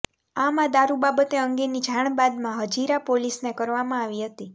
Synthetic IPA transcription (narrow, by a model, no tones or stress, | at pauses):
amad̪aɾubabət̪eəŋɡenid͡ʒʱaɳ̃bad̪mãɦəd͡ʒiɾapolisnekəɾʋamãaʋiɦət̪i